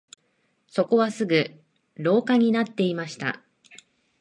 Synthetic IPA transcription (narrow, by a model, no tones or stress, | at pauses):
so̞ko̞βasɨɡɯ̟ | ɾo̞ːkaɲ̟inat̪ːe̞imaɕi̥t̪a̰